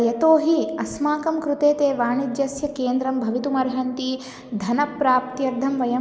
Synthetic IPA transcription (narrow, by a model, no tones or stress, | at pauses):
jɐt̪oːɦiɐsmaːkɐmkɾut̪eːt̪eːʋaːɳid̪jɐsjɐkeːnd̪ɾɐmbʱɐʋit̪umɐɾɦɐnt̪i | d̪ʱɐnɐpɾaːp̚t̪jɐɾd̪ʱɐmʋɐjɐ